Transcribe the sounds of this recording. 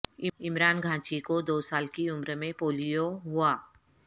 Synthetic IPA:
ɪɪmɾaːnɡʱãːt͡ʃikod̪oːsaːlkiʊmɾəmẽpoːlijoɦʊaː

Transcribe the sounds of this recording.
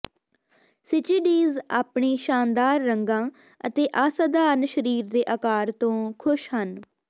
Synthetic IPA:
sɪt͡ʃiːɖiːzaːpɳeːʃaːnd̪aːɾːəŋɡãː | ət̪eːʔaːsaːd̪aːɾnʃəɾiːɾd̪eːʔəkaːɾt̪õːkʰʊʃhən

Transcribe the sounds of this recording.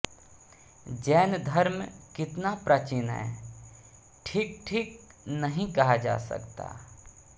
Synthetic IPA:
d͡ʒɛːnd̪ʱəɾmkɪt̪napɾaːt͡ʃɪnɦɛ̰ | ʈʰiːk̚ʈʰiːk̚nəɦĩkɐɦad͡ʒa̰ːsɐ̰kt̪a̰ː

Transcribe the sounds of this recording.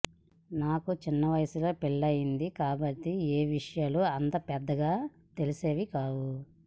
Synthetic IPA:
naːkut͡ʃinːɐʋɐjɐsilo̞ːpiɭːɐjind̪ikaːbɐʈːieːʋiʂɐjaːluɐnt̪ɐpɛd̪ːɐɡaː | t̪elise̞ːʋikaːwu

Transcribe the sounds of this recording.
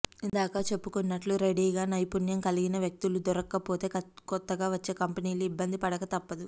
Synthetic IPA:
ind̪aːkaːt͡ʃe̞pːukunːɐʈluɾeɽiːɡaːnɐjpunjɐŋkɐliɡinɐʋjɐk̚t̪ulud̪ɔɾɐkːɐpo̞ːt̪e̞ːkɔt̪ːɐɡaːʋɐt͡ʃːe̞ːkɐmpɐniːluibːɐnd̪ipɐɽɐkɐt̪ɐpːɐd̪u

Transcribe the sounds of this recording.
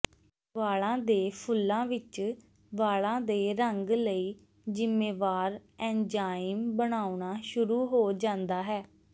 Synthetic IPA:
ʋaːɭãːd̪eːpʰʊlːãːʋɪt͡ʃ | ʋaːɭãːd̪eːɾəŋɡləiː | d͡ʒɪmːeːʋaːɾɛ̃ːd͡ʒaːɪmbəɽ̃aːuɳaːʃʊɾuːɦoːd͡ʒãːnd̪aːɦɛː

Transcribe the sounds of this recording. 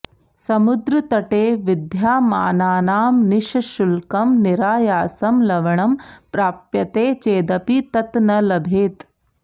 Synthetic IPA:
sɐmud̪ɾɐt̪ɐʈeːʋɪd̪ʱjaːmaːnaːnaːmnɪʃʃʊlkɐmnɪɾaːjaːsɐmlɐʋɐɳɐmpɾaːpjɐt̪eːt͡ʃeːd̪ɐpit̪ɐt̪nɐlɐbʱeːt̪

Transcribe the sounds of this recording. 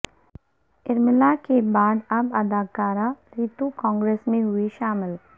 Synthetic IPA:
ɪɾmɪlakebaːd̪ɐbɐd̪aːkaːɾaɾiːt̪ukɔ̃ːŋɡɾeːsmẽɦʊiʃaːmɪl

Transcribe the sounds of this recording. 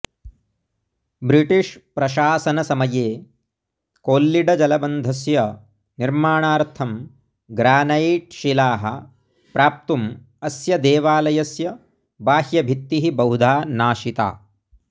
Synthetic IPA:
bɾiʈiʂpɾɐʃaːsɐnɐsɐmɐjeː | koːlːiɖɐd͡ʒɐlɐbɐnd̪ʱɐsjɐ | niɾmaːɳaːɾt̪ʰɐm | ɡɾaːnɐiʈʃilaːɦɐ̰ | pɾaːp̚t̪um | ɐsjɐd̪eːʋaːlɐjɐsjɐ | baːhjɐbʱit̪ːiɦibɐɦud̪ʱaːnaːʃit̪a̰ː

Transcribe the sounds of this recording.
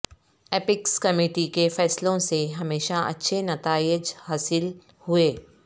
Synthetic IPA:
eːpɪkskɐmeːʈikefɛːslõseɦɐmeːʃaʔɐ̰tːʃʰenɐt̪aːɪd͡ʒhaːsɪl | hʊeː

